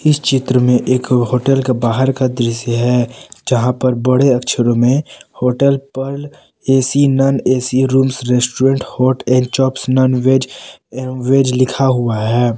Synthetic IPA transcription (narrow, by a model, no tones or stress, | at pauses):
ɪst͡ʃɪt̪ɾəmẽʔeːkɦoːʈəlkebaːɦəɾkad̪ɾɪsəɦɛːd͡ʒɐɦãpɐɾbɐɽeɐkʃʰəɾõmẽhoːʈəlpəɾl | eːsinaːneːsiɾuːmsɾesʈuɾẽːɳʈhɔːʈɛ̃ːɳɖt͡ʃɔːpsnaːnʋeːd͡ʒ | ʋeːd͡ʒlɪkʰaɦʊaɦɛː